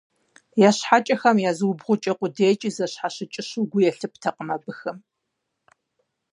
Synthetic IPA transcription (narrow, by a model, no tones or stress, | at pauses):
jaːɕħat͡ʃʼɐxɐmjaːzɨwʊbʁʷʊt͡ʃʼɐqʷʊdeːt͡ʃʼizɐɕħaɕɪt͡ʃʼɪɕʊɡʷʊjɛɬɨp̚ʰtʰɐqəmɐbɨxɨm